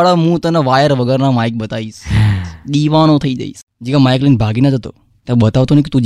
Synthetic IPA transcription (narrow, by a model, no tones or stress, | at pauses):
ɭaɦũt̪ənaʋajəɾʋəɡəɾnamaik̚ɓət̪aiʃɗ̪iʋanot̪ʰəid͡ʒa̰ḭs | d͡ʒiʋamajklinbʱaɡinad͡ʒʱət̪o̰ | t̪jãɓət̪aʋt̪onəkit̪ũd͡ʒ